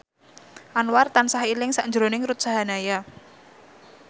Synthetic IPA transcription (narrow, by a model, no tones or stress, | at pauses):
ʔanwart̪ansahilɪŋsaʔɲd͡ʒɾonɪŋrut̪̚saɦanaja